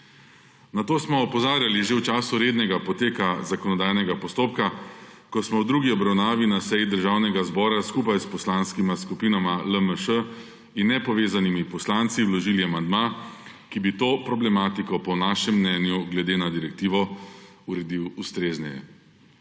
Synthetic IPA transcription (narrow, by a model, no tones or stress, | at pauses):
nat̪oːsmɔːpɔzaːɾjaliʒewt͡ʃaːsuɾeːd̪nɛɡapɔt̪eːkazakɔnɔd̪aːjnɛɡapɔst̪oːpka | kɔsmɔwd̪ɾuːɡiɔbɾawnaːʋinasɛjid̪əɾʒaːwnɛɡazbɔːɾaskuːpajspɔslanskimaskupiːnamaləməʃə | inːɛpɔʋeːzanimipɔslant̪siwlɔʒiliamand̪ma | kibit̪oːpɾɔblɛmaːt̪ikɔpɔnaːʃɛmːnɛːnjuɡlɛd̪eːnad̪iɾɛk̚t̪iːʋɔ | uɾɛd̪iwust̪ɾeːznɛjɛ̰